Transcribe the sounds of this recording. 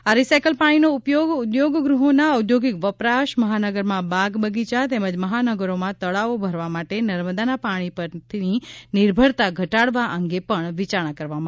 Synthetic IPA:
aɾisajkəlpaɽ̃inoupjoɡud̪joɡɡɾuɦonaəd̪joɡikʋəpɾaʃməɦanəɡəɾmãbaɡbəɡit͡ʃat̪eməd͡ʒməɦanəɡəɾomãt̪əɭaʋobʱəɾʋamaʈenəɾməd̪anapaɽ̃ipəɾt̪ʰininiɾbʱəɽt̪aɡʱəʈaɽʋaʔəŋɡepəɳʋit͡ʃaɳ̃ãkəɾʋama

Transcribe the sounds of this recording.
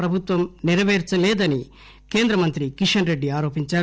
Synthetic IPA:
ɾɐbʱut̪ʋɐmniɾɐʋeːɾt͡ʃɐlɛːd̪ɐni | keːnd̪ɾɐmɐnt̪ɾikiʂɐnɾe̞ɖːiaːɾo̞ːpiɲt͡ʃaː

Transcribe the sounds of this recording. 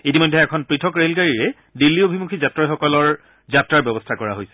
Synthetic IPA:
itimɔjdʱːɛɛkʰɔnpɹitʰɔkɹelɡaɹiɹɛ | dilːiobʱimukʰizatɹajxɔkɔlɔɹ | zatɹaɹbjɔbɔstʰakɔɹaɦojsɛ̥

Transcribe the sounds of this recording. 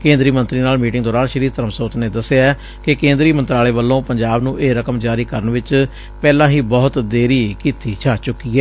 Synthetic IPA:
kẽːnd̪ɾiːmənt̪ɾiːnaːlmiːʈɪŋɡd̪ɔːɾaːnʃəɾiːɾt̪əɾəmsoːt̪neːd̪əseaː | kekẽːnd̪ɾiːmənt̪ɾaːleːʋəlːõːpəɲd͡ʒaːbnũːʔeːɾəkəmd͡ʒaːɾiːkəɾənʋɪt͡ʃ | pɛːlãːɦiːbɔːt̪d̪eːɾiːkiːt̪iːt͡ʃʰaːt͡ʃʊkːiːɛː

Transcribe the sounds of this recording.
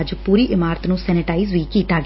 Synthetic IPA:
d͡ʒpuːɾiːʔɪmaːɾət̪nũːsɛːnɪʈaːiːzʋiːkiːt̪aːɡ

